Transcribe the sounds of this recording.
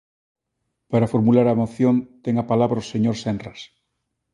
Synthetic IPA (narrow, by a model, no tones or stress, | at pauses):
paɾafoɾmulaɾamoθjont̪eŋapalaβɾaoseɲoɾsenras